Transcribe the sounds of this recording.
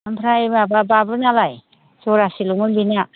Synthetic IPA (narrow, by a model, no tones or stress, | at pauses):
ampʰɾaemabababɯnalaj | sɔɾasilɔŋɯnbina